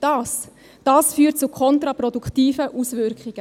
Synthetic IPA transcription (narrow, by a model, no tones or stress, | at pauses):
d̥ɑːs | d̥ɑːsfyːt̚t͡sʊkʰχɔntɾɑpɾɔdukχtiːfəʔusvʏɾkχiɡ̥ə